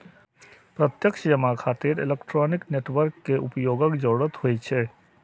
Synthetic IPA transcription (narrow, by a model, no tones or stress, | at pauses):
pɾət̪jəkʃəd͡ʒəmakʰaːt̪iɾḛlekʈɾɔnikneʈʋəɾkːeʔupjoːɡəkd͡ʒɔɽət̪ɦojt͡ʃʰɛ